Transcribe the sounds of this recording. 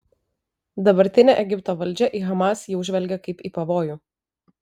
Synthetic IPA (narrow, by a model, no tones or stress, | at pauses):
d̪ɐbɐɾʲt̪ʲɪnʲeʔɛɡʲɪpt̪oːʋɐlʲd͡ʒʲɛʔiɣɐmɑsjɛʊʒʲʋʲɛlʲɡʲɛkɐɪpiːˑpɐʋoːjuː